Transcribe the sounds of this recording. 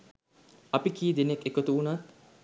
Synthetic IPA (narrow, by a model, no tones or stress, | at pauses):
ɐpikiːd̪enekekot̪uunat̪